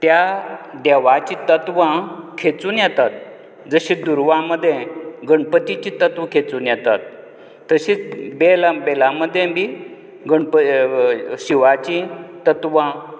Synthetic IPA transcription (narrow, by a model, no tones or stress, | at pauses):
t̪jad̪eʋat͡ɕĩt̪ət̪ʋãkʰet͡suːnjɛt̪at̪̚ | d͡zəɕĩd̪uɾʋãməd̪ʱːjẽɡəɳpət̪it͡ɕit̪ət̪ʋəkʰet͡suːnjɛt̪at̪ː | əɕiːt͡sbelabelãməd̪ʱːjẽbiː | ɡəɳpə | ɕiʋat͡ɕĩt̪ət̪ʋã